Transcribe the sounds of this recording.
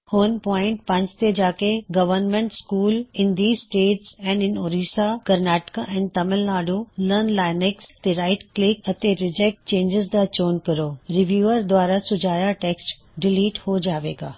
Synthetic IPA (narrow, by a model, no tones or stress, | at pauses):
hʊnpɔːɪ̃ɳʈ̚pɐ̃ɲd͡ʑt̪ed͡ʑaːkeɡɐʋəɾnmẽɳʈskuːlɪ̃nd̪iːzsʈeːʈsɛ̃ːɳɖɪnoːɾiːsakɐɾnɛːʈkaʔɛ̃ːnt̪ɐmɪlnaːɖolənlaːɪnɪkst̪eɾaːɪʈklɪkɐt̪eɾɪd͡ʑek̚ʈ̚t͡ɕẽːɲd͡ʑɪzd̪at͡ɕoːnkɐɾoːɾɪʋjuːəɾd̪ʱwaːɾasʊd͡ʑʱaːjaʈeːksʈ | ɖɪliːʈhod͡ʑaːʋeːɡa̰ː